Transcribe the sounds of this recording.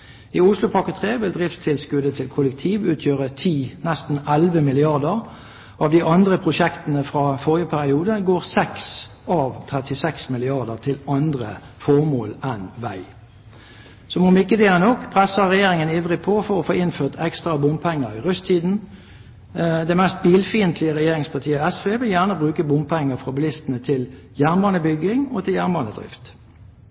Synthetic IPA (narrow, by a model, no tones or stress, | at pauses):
ɪʊslʊpʰɑkət̪ʰʁeːʋɪld̪ʁɪftt̪ʰɪlskʉd̪ət̪ʰɪlkʰʊlək̚t̪ʰiːʋʉːt̪ʰjøːʁət̪ʰiːnɛst̪n̩ɛlʋəmɪlɪɑʁd̪əʁ | ɑʋd̪ɪʔɑnd̪ʁəpʰʁʊʃɛkt̪ənəfʁɑfɔʁɪəpʰæʁɪuːd̪əɡoːʁsɛks | ɑʋt̪ʰʁɛt̪ɪsɛksmɪlɪɑʁd̪əʁt̪ʰɪlɑnd̪ʁə̰ | fɔʁmoːlɛnʋæɪ | sɔmɔmɪkːəd̪eːnɔkːpʰʁɛsəʁɛjeːʁɪŋəniːʋʁɪpʰɔfɔʁɔfoːɪnføːʁt̪ʰɛkst̪ʁɑbʊmpʰɛŋːəɾɪʁʉst̪ʰiːd̪n̩ | d̪ɛmɛst̪̚biːlfiːnt̪ʰlɪəʁɛjeːʁɪŋspʰɑt̪ʰiːəɛsfeːʋɪljæʁnəbʁʉːkəbʊmpʰɛŋːəfʁɑbɪlɪst̪ənət̪ʰɪl | jæʁnbɑːnəbʏɡɪŋɔt̪ʰɪljæʁnbɑnəd̪ʁɪ̰ft̪